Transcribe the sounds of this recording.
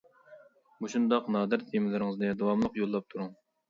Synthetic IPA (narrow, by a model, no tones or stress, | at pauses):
muʃund̪ɑqnɑːd̪ɨɾt̪ʰemɪlɪɾɪŋɨznɨd̪owɑmlˠəqjolˠːɑp̚t̪ʰuɾuŋ